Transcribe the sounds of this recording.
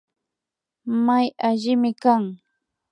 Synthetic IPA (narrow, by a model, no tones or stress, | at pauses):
majaʎɪmɪkaŋ